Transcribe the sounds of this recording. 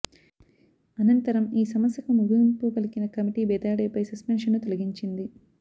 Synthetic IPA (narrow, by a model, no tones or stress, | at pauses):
ɐnɐnt̪ɐɾɐmiːsɐmɐsjɐkumuɡimpuːkɐlikinɐkɐmiʈiːbɛːd̪aːɽeːpɐjsɐspenʂɐnːut̪olɐɡiɲt͡ʃind̪i